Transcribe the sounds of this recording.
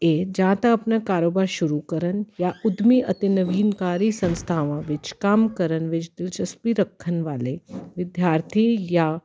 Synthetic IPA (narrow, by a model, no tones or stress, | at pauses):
eːd͡ʒãːt̪aɐpnakaːɾoːbaːɾʃʊɾukəɾənjaʔʊd̪miʔɐt̪inɐʋiːnkaːɾisɐ̃nst̪ʰaːʋãʋɪt͡ʃkaːmkəɾənʋɪt͡ʃd̪ɪlt͡ʃɐspiɾɐkʰːənʋaːleʋɪd̪jaːɾt̪ʰija